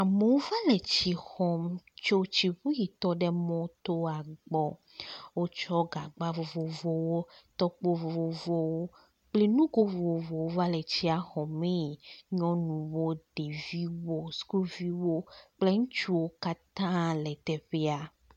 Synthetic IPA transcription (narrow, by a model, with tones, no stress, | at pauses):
a˨me˨wo˦va˦lɛ˨t͡ɕi˦xɔ˨mt͡ʃo˦t͡ɕi˨ɸu˦ji˨t̪ɔ˦ɖɛ˦mɔ̃˦t̪o˦a˨ɡ͡bɔ˨ | wo˦t͡ʃɔ˦ɡa˨ɡ͡ba˦vo˨vo˨vɔ˦wo˦t̪ɔ˦k͡po˦vo˨vo˨vɔ˦wo˦ | k͡ple˦nũ˦ɡo˦vo˨vo˨wo˦va˦lɛ˨t͡ɕi˦a˨xɔ˨me˦˨ɲɔ̃˦nũ˨wo˦ɖe˨vi˦wo˦sku˦lvi˦wo˦k͡ple˦ŋũ˦t͡ʃu˦wo˦ka˦t̪ã˦lɛ˨t̪ɛ˨ɸe˦a˨